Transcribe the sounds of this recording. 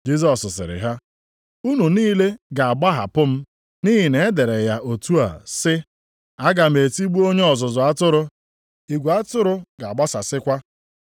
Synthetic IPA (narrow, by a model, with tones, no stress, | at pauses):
d͡ʒi˦z̬ɔ˨sʊ˨sɪ̰˨ɾɪ̰˨ɦa˦ | u˦nu˨niː˦le˦ɡa˨a˨ɡ͡ba˦ɦa̰˨pʊ˦m̩˦ | ni˦ɦi˨ne˨e˦de˨ɾe˨ja˦ʔo˨tu˦a̰˨sɪ˦ | a˦ɡa˨m̩e˨ti˦ɡ͡bu˦o˦ɲe˦ɔ˨zʊ˨zʊ˨a˦tʊ˦ɾʊ˦ | i˨ɡʷu˨a˦tʊ˦ɾʊ˦ɡa˨a˨ɡ͡ba˦sa˨sɪ˦kʷa˦